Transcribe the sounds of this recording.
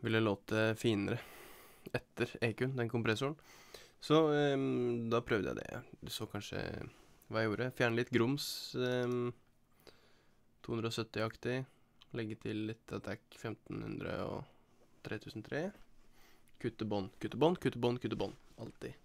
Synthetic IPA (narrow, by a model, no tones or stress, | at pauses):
ʋɪlːəloːt̪ʰəfiːnəɾə | ɛt̪ʰːəɾeːkʉnd̪ɛnkʰʊmpɾɛsʊɳsɔ | d̪ɑpʰɾœʋd̪əjæ̰ɪd̪ɛ̰d̪ɛsoːkʰɑnʂə̰ʋɑːjæjuːɾəfjæːɳəlɪt̪ɡɾʊms | t̪ʰuːʉnd̪ɾɔsœt̪ːɪɑkt̪ɪ | lɛɡːət̪ʰɪlːɪt̪ʰːɑt̪ʰækfɛmt̪nhʉ̰nd̪ɾə̰ɔ̰t̪ʰɾeːt̪ʰʉːsn̩t̪ʰɾeː | kʰʉt̪ːəbɔnːkʰʉt̪ːəbɔnːkʰʉt̪ːəbɔnkʰʉt̪ːəbɔnːɑlt̪ɪ